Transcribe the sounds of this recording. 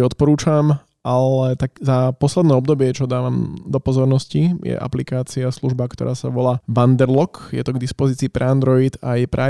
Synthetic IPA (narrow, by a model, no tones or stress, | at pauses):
ɔt̪̚pɔɾuːt͡ʃam | ʔalɛt̪akzapɔslɛd̪nɛːɔb̚d̪ɔbɪɛt͡ʃɔd̪aːʋamd̪ɔpɔzɔɾnɔscijɛ̰ʔa̰plikaːt͡siasluʒbakt̪ɔ̰ɾʔa̰ːsa̰ʋɔlaːʋand̪ɛɾlɔkjɛ̰t̪ɔɡd̪ispɔziːt͡siːpɾɛand̪ɾɔit̪ajpɾɛ